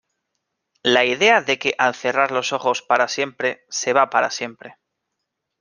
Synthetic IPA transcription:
laiðe̞aðe̞ke̞ʔalθe̞raɾlo̞so̞χo̞spaɾasje̞mpɾe̞se̞βapaɾa̰sje̞mpɾe̞

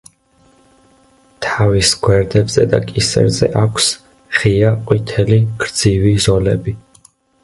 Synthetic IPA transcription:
t̪ʰavisɡwɛɾd̪ɛbzɛ̰d̪a̰kʼisɛ̰ɾzɛ̰ʔakʷʰs | χiaqʼwit̪ʰɛliɡ̥ɾd̪zivizɔlɛbi

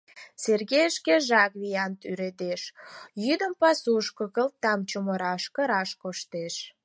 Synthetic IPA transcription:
serɣejəʃkeʒɑkβijɑnt̪yɾed̪eʃjyd̪əmpɑsuʃkokəl̚t̪ːɑmt͡ɕuməɾɑʃkə̆ɾɑʃkoʃt̪eʃ

